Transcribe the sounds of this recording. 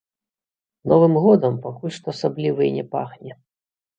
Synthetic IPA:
nɔvɨmɣɔd̪ɐmpakulʲʂt̪ɔːsablʲivɐnʲɛpa̰xnʲɛ

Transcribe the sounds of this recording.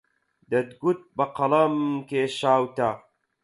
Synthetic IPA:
d̪ɐd̪ɡut̪̚bɐqɐlɐmkeʃaːwt̪a

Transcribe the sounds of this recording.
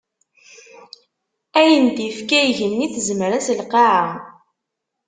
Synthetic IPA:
æjənd̪ifkæjʝənːiθzməɾæsəlqɑʕa

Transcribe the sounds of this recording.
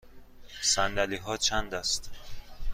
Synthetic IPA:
sænd̪æliːɦɒːt͡ʃʰænd̪æst̪

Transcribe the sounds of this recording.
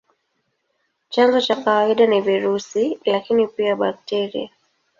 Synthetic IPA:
t͡ʃanzɔt͡ʃakawaiɗaniviɾusilakinipiaɓak̚tɛɾḭa

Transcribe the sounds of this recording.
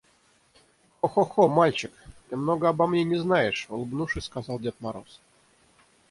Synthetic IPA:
oxoxomalʲt͡ɕɪkt̪ɨmnoɡəabamnʲenʲɪznajɪʂulˠbnuʂɨskazɑlˠdʲet̪̚maɾo̰s

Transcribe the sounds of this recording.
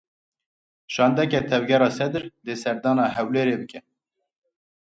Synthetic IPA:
ʃɑːnd̪ɛkɛt̪ʰɛvɡʲɛɾɑːsɛd̪ɨɾd̪eːsɛɾd̪ɑːnɑːɦɛwleːɾeːbɨkɛ

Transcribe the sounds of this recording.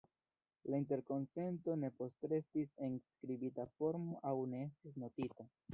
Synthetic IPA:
laint̬e̞ɾko̞nse̞nto̞ne̞po̞stɾe̞stise̞nskɾibitafo̞ɾmoʔawne̞e̞stis̬no̞tita

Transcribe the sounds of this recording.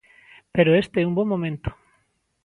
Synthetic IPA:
peɾoest̪eɛumbõmːõmẽnt̪o̥

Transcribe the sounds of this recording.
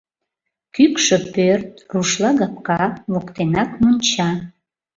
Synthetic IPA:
kykʃəpørt̪̚ruʃlɑɣɑp̚kɑβokt̪enɑkmont͡ɕɑ

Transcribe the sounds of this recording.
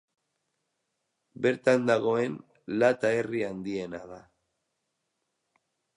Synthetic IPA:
be̞ɾt̪and̪aɣ̞o̞e̞n | lat̪ae̞riand̪ie̞naða

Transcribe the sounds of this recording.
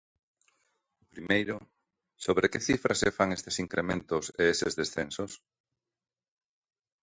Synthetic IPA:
pɾimejɾʊ | soβɾekeθifɾasefaŋest̪esiŋkɾʔemẽnt̪ʊseesezðesθensos

